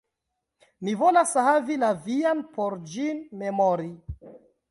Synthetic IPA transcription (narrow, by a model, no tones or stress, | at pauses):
mivo̞lashavilavianpoɾd͡ʒinme̞moɾi